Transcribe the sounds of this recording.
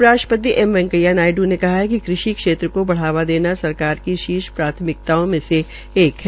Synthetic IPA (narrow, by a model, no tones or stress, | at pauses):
ɾaːəpət̪̬iʔɛmʋɛ̃ŋkəjanaːɪɖunekɐɦaɦɛkikɾɪʃikʃeːt̪ɾəkobɐɽ̤aːʋad̪eːnasɐɾkaːɾkiʃiːʃpɾaːt̪ʰəmɪk̚t̪aːõmẽse | eːkɦɛ